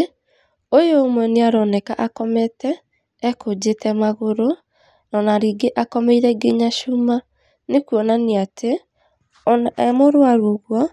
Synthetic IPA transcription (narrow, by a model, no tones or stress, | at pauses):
ojoːmwɛneaɾɔnɛkaʔakɔmɛtɛː | kʰod͡ʑetʰɛmaɣoɾo | nɔnaɾiɡeʔakɔmeiɾɛɡeɲaʃuma | nekuɔnaneatʰe | ɛmoɾwaɾoɣwɔ